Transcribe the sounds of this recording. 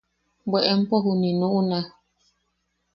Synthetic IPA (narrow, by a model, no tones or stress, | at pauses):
bɛʔɛm̩pɔɦuninuʔuna